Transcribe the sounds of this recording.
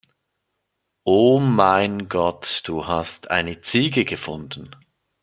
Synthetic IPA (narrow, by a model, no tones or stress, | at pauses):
ʔoːmaɪnɡɔtd̥uːhastʰʔa̰ɪnət͡siːɡəɡəfʊndn̩